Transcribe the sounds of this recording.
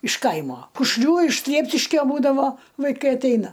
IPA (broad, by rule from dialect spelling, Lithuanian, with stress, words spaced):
ɪʃ ˈkɐɪmoː kʊʃʲˈlʲuː ɪʃ ˈsʲlʲiɛpʲʃʲɪʃʲkʲoː ˈbuːdɐʋoː ʋɐɪˈkɐɪ ɐtʲˈɛɪnɐ